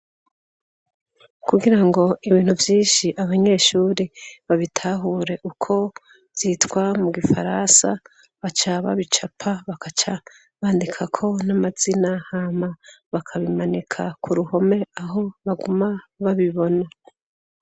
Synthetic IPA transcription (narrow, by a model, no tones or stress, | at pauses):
kuɡiɾaŋɡo̞iβiːn̥huvjiːnʃiʔaβaɲe̞ːʃuɾeβaβitʰaɦuːɾe̞ʔukʰo̞ | z̥itkwamuɡifaɾansa̰ | βat͡ʃaβa̰βit͡ʃapʰaβakat͡ʃa | βaːndikʰakʰo̞namazinahamaβakʰaβimanikʰakʰuɾuho̞me̞aɦo̞βaɡumaβaβiβo̞na